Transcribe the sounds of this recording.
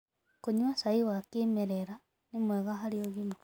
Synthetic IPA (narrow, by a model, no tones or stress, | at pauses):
koɲwasaiwakemeɾeɾa | nemweɣaɦaɾioɣino